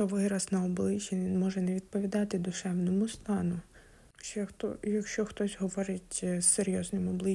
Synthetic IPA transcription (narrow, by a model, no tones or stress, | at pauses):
ɔʋɪɾɐsnɐɔblˠɪt͡ʃiinmɔʒɛnɛʋʲid̪̚pɔʋʲid̪ɑt̪ɪd̪ʊʃɛwnɔmʊst̪ɑnʊ | t͡ʃɛt̪ɔjɐkʃt͡ʃɔxt̪ɔsʲɦɔʋɔɾɪtʲseɾʲjɔznɪmɔblˠɪ